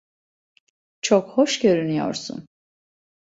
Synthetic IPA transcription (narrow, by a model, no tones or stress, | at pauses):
t͡ʃʰokhoʃɟø̞ɾynyjo̰ɾsṵn